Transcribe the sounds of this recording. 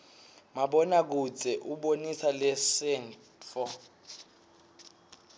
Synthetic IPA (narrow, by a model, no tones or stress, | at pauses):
maɓɔnak̬ut͡sʼɛʔuɓonisalɛsɛn | fɔ